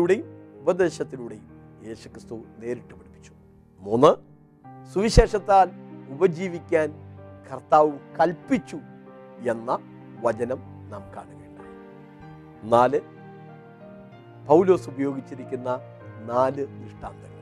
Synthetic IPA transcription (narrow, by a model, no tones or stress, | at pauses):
uɽejubɐd̪e̞ːɕɐt̪ːiluɽejum | je̞ːsu̥krɨst̪une̞ːɾiʈːupeɽipːi̥t͡ɕːu̥ | munːɨ | suʋiɕe̞ːʂɐt̪ːaːlubɐd͡ʑiːʋikʲːaːnkɐrt̪aːʋɨkɐlpit͡ɕːu | e̞nːɐ | ʋɐt͡ɕɐnɐm | na̰ːmka̰ːɳukeːɳɖɨ | naːlɨ | pɐwlo̞ːsubɐjo̞ːɡit͡ɕːiɾikʲːunːɐ | naːlɨiʂʈa̰ːnd̪ɐɐ